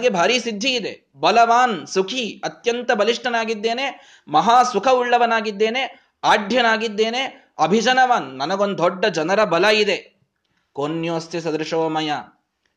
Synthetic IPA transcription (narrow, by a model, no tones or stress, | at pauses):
ɡebʱaːɾiːsid̪ʱːiːd̪e | bɐlɐʋaːnsukʰiɐt̪jɐnt̪ɐbɐliʂʈɐnaːɡid̪ːe̞ːne | mɐɦaːsukʰɐuɭːɐʋɐnaːɡid̪ːe̞ːne | aːɖʱjɐnaːɡid̪ːeːne | ɐbʱid͡ʒɐnɐʋaːnːɐnɐɡond̪ɔɖːɐd͡ʒɐnɐɾɐbɐlɐid̪e̞ | konjoːst̪is̬ɐd̪ɾɐʂɐʋɐmɐjaː